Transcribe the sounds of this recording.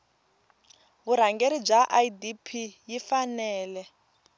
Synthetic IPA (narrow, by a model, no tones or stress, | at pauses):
βuɾ̤aŋɡeɾib͡ʐaʔaidipʰijifanɛːlɛ